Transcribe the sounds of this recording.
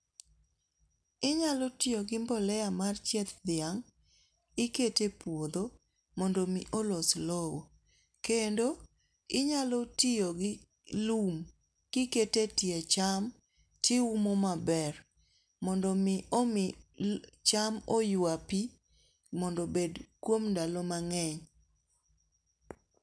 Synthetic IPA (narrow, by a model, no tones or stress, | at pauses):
ɪɲalotɪoɡɪmbɔlɛjamart͡ʃɛt̪d̪ɪaŋ | ɪketepwod̪o | mɔndɔmɪʔoloslowo | kendo | ɪɲalotioɡɪ | lum | kɪketetjet͡ʃam | tiumomabɛr | mɔndɔmɪʔomɪ | t͡ʃamojwapi | mɔndɔbedkwomndalɔmaŋɛɲ